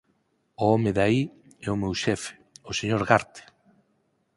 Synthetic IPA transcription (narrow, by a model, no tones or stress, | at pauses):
ʊomeðai | ɛʊmewʃɛfe̥ʊseɲoɾɣaɾt̪e̥